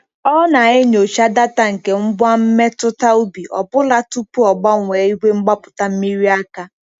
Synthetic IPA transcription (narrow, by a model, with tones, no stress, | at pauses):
ɔ˦na˨e˦ɲo˨t͡ʃa˦da˦ta˦ŋ̩˨ke˨ŋ͡m̩˦bʷa˦m̩˦me˦tʊ˦ta˦u˦bi˨ʔɔ̰˨bʊ˦la˦tu˦pu˦ɔ˨ɡ͡ba˦ŋʷe˨i˦ɦʷe˦ŋ͡m̩˦ɡ͡ba˦pʊ˨ta˦m̩˦mi˦ɾi˦a˦ka˦